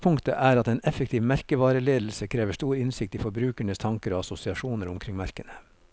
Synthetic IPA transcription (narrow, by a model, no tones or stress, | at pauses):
pʰʊŋkt̪ə̰ʔæːɾɑt̪eːnɛfək̚t̪ʰiːʋmæɾkəʋɑːɾəleːd̪l̩səkʰɾeːʋəʂt̪uːɾɪnsɪk̚t̪iːfɔɾbɾʉːkæɳəst̪ʰɑŋkəɾoːɑsʊsɪɑʂuːnəɾʊmkʰɾɪŋmæɾkənə